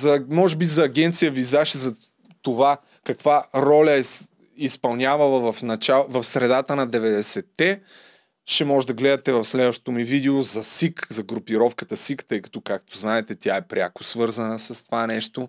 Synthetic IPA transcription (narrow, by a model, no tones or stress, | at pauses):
zɐmɔʒɛbizɐːɡʲɛnt̪sijəvizaʃɛzɐ | t̪ova | kɐkvaɾɔlʲɐɛ | ispɐlˠnʲjavɐlˠɐvɐfnɐt͡ʃavɐfsɾɛd̪at̪ənɐd̪ɛvɛd̪ɛsɛt̪ːɛ | ʃɛmɔʒɛd̪ɐɡlɛd̪ɐt̪ɛvɐfslɛd̪vəʃt̪o̥t̪omivid̪ɛozɐsikzɐɡɾʊpiɾɔfkət̪əsikt̪ɤjkɐ̥t̪ɔkak̚t̪oznaɛt̪ɛt̪ʲjaɛpɾʲakʊ̥svɤɾzɐnəsɐst̪ovanɛʃt̪o